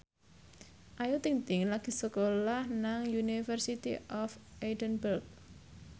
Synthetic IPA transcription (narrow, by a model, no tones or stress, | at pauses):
ʔajut̪iŋt̪ɪŋlaɡ̥i̤səkolahnaŋjunifərsit̪ḭʔɔfʔedənbərk̚